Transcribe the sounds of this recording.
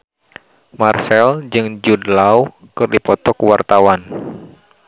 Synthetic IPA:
marsɛld͡ʒɨŋd͡ʒudlaw | kɨrdipɔt̪ɔkwart̪awan

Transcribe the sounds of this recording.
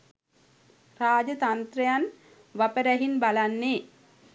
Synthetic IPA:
raːd͡ʒət̪ant̪ɾejan | ʋapəɾæɦinbalanːe

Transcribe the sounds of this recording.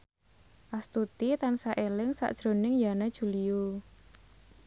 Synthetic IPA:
ʔast̪ut̪it̪ansaʔelɪŋsa̰ʔd̥ʒ̥ɾo̤nɪŋjanad̥ʒ̥ṳlijo

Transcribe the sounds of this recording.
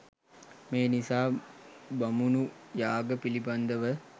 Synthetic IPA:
meːnisaːbamunujaːɡəpiliband̪əʋə

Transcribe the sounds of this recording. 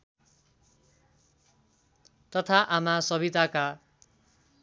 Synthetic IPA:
t̪ʌt̪ʰaʔamasʌbit̪aka

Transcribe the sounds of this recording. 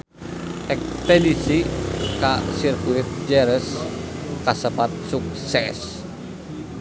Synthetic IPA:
ʔɛk̚t̪ɛnisikasirkuit̪̚d͡ʒɛɾəskasəpat̪̚suk̚sɛs

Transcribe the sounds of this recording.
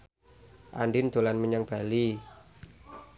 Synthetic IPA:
ʔa̰nɖɪnd̪̥o̤lanməɲaŋb̥a̤li

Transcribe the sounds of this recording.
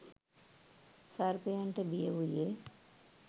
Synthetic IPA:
saɾpejaɳʈəbijəɦuje

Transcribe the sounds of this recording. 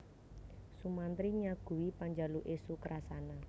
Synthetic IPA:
sumant̪ɾiɲaɡ̥ṳwipaɲd͡ʒaluʔesukəɾʔasana

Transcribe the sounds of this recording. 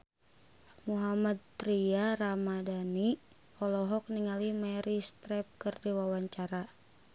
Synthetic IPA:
muɦamad̪̚t̪ɾiaɾamadani | ɔlɔɦɔk̚niŋalimɛɾist̪ɾɛp̚kɨrdiwawaɲt͡ʃaɾa

